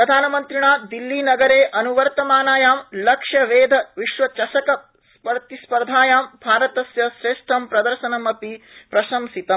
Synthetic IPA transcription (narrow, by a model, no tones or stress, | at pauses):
pɾɐd̪ʱaːnɐmɐnt̪ɾiɳaːd̪ilːiːnɐɡɐɾeːʔɐnuʋɐɾt̪ɐmaːnaːjaːmlɐkʂjɐʋeːd̪ʱɐʋiʃʋɐt͡ʃɐʃɐkɐ | spɐɾt̪ispɐɾd̪ʱaːjaːmbʱaːɾɐt̪ɐsjɐʃɾeːʂʈ̪ʰɐmpɾɐd̪ɐɾʃɐnɐmɐpipɾɐʃɐmsit̪ɐ